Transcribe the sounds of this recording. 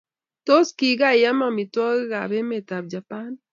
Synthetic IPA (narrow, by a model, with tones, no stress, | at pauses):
to˦ski˨ɡa˦˨ja˦ma˦˨mi˨tɔ˦ɣɡa˨be˦me˨ta˨b̚d͡ʒa˨pa˦n